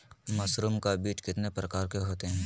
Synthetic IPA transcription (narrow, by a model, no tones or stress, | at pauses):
mɐsɾumkabiːt͡ʃkɪt̪nepɾɐkaːɾkeɦoːt̪eɦɛ̃ː